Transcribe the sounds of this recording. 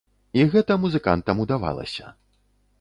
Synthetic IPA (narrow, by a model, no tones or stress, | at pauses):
iɣɛt̪ɐmuzɨka̰nt̪ɐmud̪ava̰lˠɐ̰sʲɐ